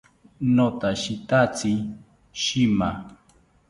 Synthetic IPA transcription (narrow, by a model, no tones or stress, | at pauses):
not̪aʃit̪at͡si | ʃima